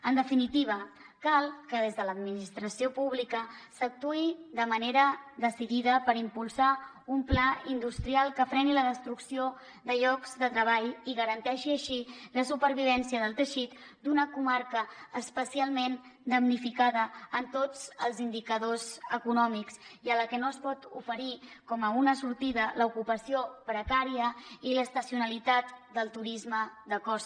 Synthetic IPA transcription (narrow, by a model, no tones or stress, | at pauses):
ənd̪əfinit̪iβ̞ə | kalˠkəðezðələd̪minist̪ɾəsiopuβ̞likəsək̚t̪uiðəməneɾəðəsiðiðəpəɾimpulˠsa | umplaind̪ust̪ɾialˠkəfɾɛniləðəst̪ɾuksio | ðəʎɔkzd̪ət̪ɾəβ̞aʎiɣəɾənt̪ɛʃiəʃiləsupəɾβ̞iβ̞ɛnsiəðəlˠt̪əʃit̪d̪unəkumaɾkəːspəsialˠmend̪əmnifikaðəːnt̪od͡zəlˠzind̪ikəðozəkunɔmiksiələkɛnoəspɔt̪ufəɾikɔməunəsuɾt̪iðələukupəsiopɾəkaɾiəiləst̪əsiunəlit̪at̪d̪əlˠt̪uɾizməd̪əkɔs